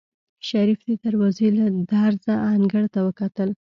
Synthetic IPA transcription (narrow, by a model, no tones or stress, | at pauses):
ʃaɾifd̪ed̪aɾwɑzelad̪aɾzaːŋɡəɽt̪awəkat̪əl